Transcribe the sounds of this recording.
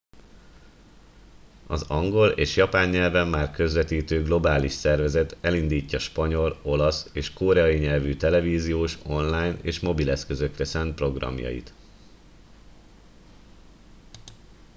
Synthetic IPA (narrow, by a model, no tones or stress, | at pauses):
ɒzɒŋɡo̞leːʃjɒpaːɲːɛlvɛmːaːrkø̞zvɛt̪iːt̪øːɡlo̞baːliʃsɛrvɛzɛt̪ɛlind̪iːcːɒʃpɒɲo̞lo̞lɒseːʃkoːɾɛɒiɲɛlvyt̪ɛlɛviːzijoːʃo̞nlaːjnḛːʃmo̞bilɛskø̞zø̞krɛsɛnt̪̚pro̞ɡrɒ̰mjɒ̰jḭt̪